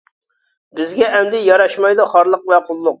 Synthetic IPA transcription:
bɪzɡʲɛʔɛmd̪ɪjɑɾɑʃmɑjd̪uχɑɾlˠəq̚vɛqʰolˠːʊq̚

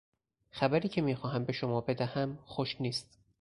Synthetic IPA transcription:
xæbæɾiːcʰe̞miːxɒːɦæmbe̞ʃomɒːbe̞d̪æhæmxoʃniːst̪

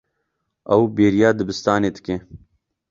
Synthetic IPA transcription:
ɐwbeːɾijaːd̪ɨbɨst̪aːneːd̪ɨ̥kẽː

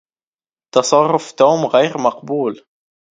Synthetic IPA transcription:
t̪ɑsˤɑrˤːʊft̪uːmɣæjɾmɑqbuːl

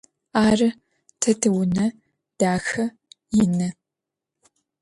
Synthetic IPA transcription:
aːrɨ | tʰɐtʰɨwʊnɐ | d̥aːxɐ | jɪnɐ

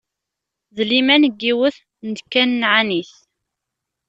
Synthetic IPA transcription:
ðlimænəɡːiwəθ | nd̪kːænːʕaniθ

